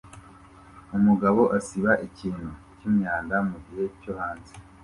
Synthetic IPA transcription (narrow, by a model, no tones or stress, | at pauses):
umuɡaβo̞ʔasiβaʔiciːnhu | cimɲaːndamuɟihe̞cohaːnze